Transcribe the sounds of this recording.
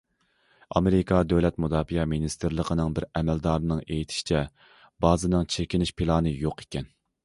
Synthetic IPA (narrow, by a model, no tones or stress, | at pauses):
ɑ̰meɾɪkʰɑd̪øwlɛt̪mud̪ɑːfijɑminist̪ɨɾlˠəqʰənɨŋbɪɾɛmɛld̪ɑːɾnɨŋejit̪ʰɪ̥ʃi̥t͡ʃʰɛ | bɑːzɨnɨŋt͡ʃʰekʲinɪʃpʰilˠɑːnɨjoqʰe̥kʲɛn